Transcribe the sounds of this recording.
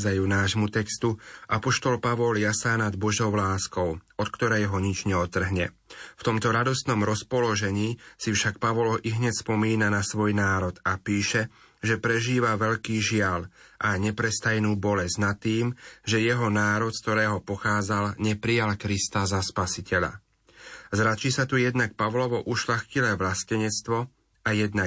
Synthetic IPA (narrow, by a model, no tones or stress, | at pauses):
d͡zajuːnaːʒmut̪ɛkst̪uʔapɔʃt̪ɔlpaʋɔljasaːnad̪bɔʒɔʊlaːskɔʊɔt̪kt̪ɔɾɛjɦɔɲit͡ʃɲɛɔt̪ːr̩ɦɲɛft̪ɔmt̪ɔɾad̪ɔst̪nɔmɾɔspɔlɔʒɛɲiːsifʃak̚paʋɔlɦɔʔiɦɲɛcspɔmiːnanasʋɔjnaːɾɔt̪apiːʃɛ | ʒɛpɾɛʒiːʋaʋɛʎkiːʒɪalʔaɲɛpɾɛst̪ajnuːbɔlɛznat̪ːiːmʒɛjɛɦɔnaːɾɔt̪skt̪ɔɾɛːɦɔpɔxaːd͡zalɲɛpɾijalkɾist̪azaspasicɛʎa̰ | zɾat͡ʃisat̪ujɛd̪nak̚paʋlɔʋɔʔuʃlaxcilɛːʋlascɛɲɛt͡st̪ʋɔ | ajɛd̪na